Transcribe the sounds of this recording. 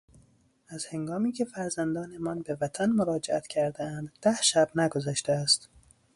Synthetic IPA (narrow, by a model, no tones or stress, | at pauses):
æz̥he̞ŋɡɒːmiːcʰe̞fæɾzænd̪ɒːne̞mɒːnbevæt̪ʰænmoɾɒːd͡ʒeʔæt̪cʲʰæɾd̪eænd̪d̪æhʃæb̥næɡozæʃt̪eæst̪